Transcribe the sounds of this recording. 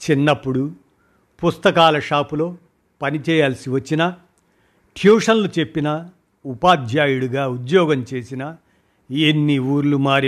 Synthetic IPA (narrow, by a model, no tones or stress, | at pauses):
t͡ʃinːɐpːuɽu | pust̪ɐkaːlɐʂaːpulo̞ː | pɐnit͡ʃɛːjaːlɐsiʋɐt͡ʃːinɐ | ʈʰjuːʂɐnlut͡ʃe̞pːinɐ | upaːd̪ʱjaːjuɽuɡaːud̪jɔːɡɐmt͡ʃe̞ːsinɐ | enːiuːɾlumaːɾi